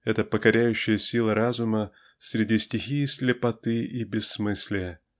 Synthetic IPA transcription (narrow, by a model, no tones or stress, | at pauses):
ɛt̪əpəkɐɾʲæjʉɕːɪjəsʲilˠəɾazʊmə | sʲɾʲɪdʲisʲtʲɪxʲijsʲlʲɪpɐt̪ɨibʲɪsːmɨsʲlʲɪjə